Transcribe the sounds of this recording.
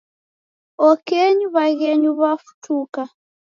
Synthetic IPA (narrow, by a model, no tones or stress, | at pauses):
ɔkɛɲuβaɣɛɲuβafu̥tuka